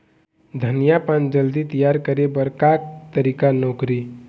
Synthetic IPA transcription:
d̪ʱənijapãnd͡ʒəld̪it̪əjaɾkəɾebəɾkak̚t̪əɾikanokɾi

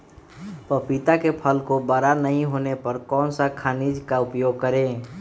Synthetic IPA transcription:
pəpit̪akepʰəlkobaɾanəɦĩɦoːnepəɾkɔːnsakʰanid͡ʒkaʊpjoɡ̚kəɾẽ

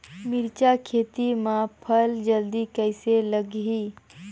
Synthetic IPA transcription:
mɪɾt͡ʃakʰeːt̪imãpʰəld͡ʒəld̪ikəɪseləɡɦi

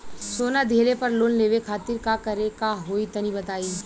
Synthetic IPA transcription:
soːnad̪ʱeːlepɐɾloːnleːʋekʰaːt̪ɪɾkakɐɾekaɦoːit̪ɐnibɐt̪aːiː

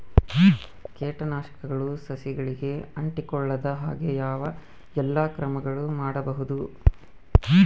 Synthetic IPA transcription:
kɛːʈɐnaːʃɐ̥kɐɡɐɭusɐsiɡɐɭiɡe̞ɐɳʈikɔɭːɐd̪ɐɦa̰ːɡejaːʋɐ | ɛlːakɾɐmɐɡɐɭumaːɽɐbɐɦud̪u

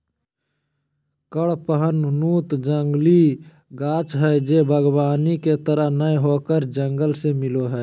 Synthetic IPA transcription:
kəɽpəɦənnuːt̪d͡ʒəŋɡli | ɡaːt͡ʃɦɛːd͡ʒeːbʱəɡbaːniket̪əɾəɦnəjɦoːkəɾd͡ʒəŋɡəlsemɪloɦɛː

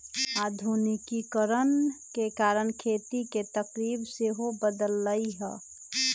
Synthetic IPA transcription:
aːd̪ʱunikikəɾənkekaːɾənkʰeːt̪iket̪əkɾibseɦobəd̪əlːəiɦɛ̰

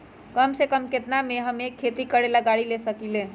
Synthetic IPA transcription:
kəmsekəmket̪nameɦəmekʰːet̪ikəɽelaɡaɽilesəkilẽ

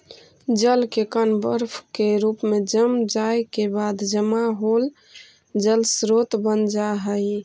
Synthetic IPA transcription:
d͡ʒəlkekənbəɾpʰkeɾupmed͡ʒəmd͡ʒajkebad̪d͡ʒəmaɦol | d͡ʒəlsɾot̪bənd͡ʒaɦəj

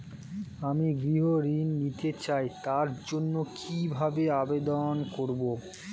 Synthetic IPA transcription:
amiɡɾiɦoɾinːit̪et͡ɕajt̪aɾd͡ʑonːokʰibʱabeabed̪onkoɾbo

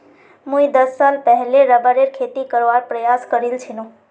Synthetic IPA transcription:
mũid̪əsːalpɛɦleɾəbəɾeɾkʰet̪ikəɾʋaɾpɾəjaskəɾilt͡ʃʰinũ

